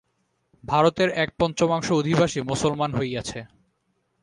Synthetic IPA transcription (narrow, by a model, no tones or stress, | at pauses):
bʱaɾot̪eɾɛk̚pɔnt͡ɕomaŋʃood̪ʱibaʃimosolmanɦojɡat͡ɕʰe